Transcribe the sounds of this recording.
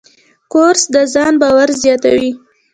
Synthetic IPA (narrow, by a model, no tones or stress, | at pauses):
koɾsd̪əzɑnbɑwaɾzjɑt̪a̰wi